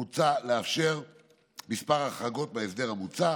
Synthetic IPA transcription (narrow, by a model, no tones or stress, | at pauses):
ut͡saleafʃe̞ʁ | mispaʁaχaɡo̞t̪̚maevd̪e̞lhamut͡sa